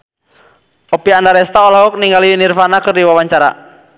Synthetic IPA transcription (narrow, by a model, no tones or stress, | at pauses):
ʔɔpiandaɾɛst̪aɔlaɦɔk̚niŋɡaliunirfanakɨrdiwawaɲt͡ʃaɾa̰